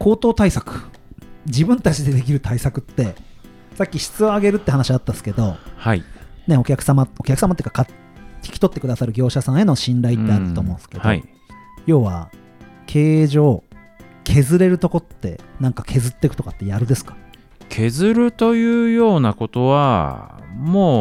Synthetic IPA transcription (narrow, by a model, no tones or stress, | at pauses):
kʰo̞ːt̪o̞ːt̪aisakɯ̟̥ | d͡ʑibɯ̟̃nt̪at͡ɕid̪e̞d̪e̞kʲiɾɯ̟t̪aisakɯ̟t̪ːe̞ | sakʲːiɕi̥t͡sɨoaɡe̞ɾɯ̟t̪ːe̞ɦanaɕiat̪ːasɨ̥ke̞d̪o̞haḭne̞o̞kʲakɯ̟samaokʲakɯ̟samat̪ekaka | kʲʰi̥kʲi̥t̪o̞t̪ːekɯ̟d̪asaɾɯ̟ɡʲo̞ːɕasãɰ̃e̞no̞ɕĩnɾait̪ːeat̪ːḁt̪o̞ːmõ̞sɨ̥ke̞do̰i | jo̞ːβa | kʰe̞ːʑo̞ː | kʰe̞zɨɾe̞ɾɯ̟t̪o̞ko̞t̪ːe̞̰nãŋkakʰe̞zɨt̪ːe̞kɯ̟t̪o̞kat̪ːe̞jaɾɯ̟d̪e̞sɨ̥kḁ | kʰe̞zɨɾɯ̟t̪o̞jɯ̟ːjo̞ːnako̞t̪o̞βa̰ | moː